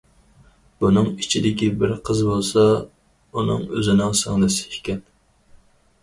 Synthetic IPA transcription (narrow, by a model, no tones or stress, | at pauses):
b̥unɨŋit͡ʃʰid̪ɪkʲibɪɾqʰəzbolˠsɑ | unɨ̰ŋøzɪnɪŋsɪŋlɨsɪ̥kʲɛn